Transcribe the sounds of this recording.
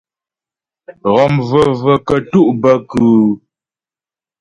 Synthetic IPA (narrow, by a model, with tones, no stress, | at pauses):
ɣɔ˨mvə˨və˨kə˨tu˦ʔbə˦kʉ˨